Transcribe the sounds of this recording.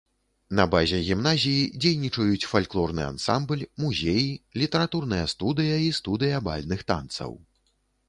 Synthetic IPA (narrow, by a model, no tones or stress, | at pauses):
nɐbazʲɛɣʲimnazʲijid͡zʲejnʲit͡ʂɐjut͡sʲfalʲklˠɔrnɨ̰a̰nsamblʲmuzʲejilʲit̪ɛɾat̪urnɨjɐst̪ud̪ɨjɐist̪ud̪ɨjɐba̰lʲnɨxt̪a̰nt̪sɐ̰w